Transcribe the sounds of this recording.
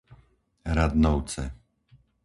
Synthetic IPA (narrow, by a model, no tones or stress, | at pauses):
ɾad̪nɔʊt͡sɛ̰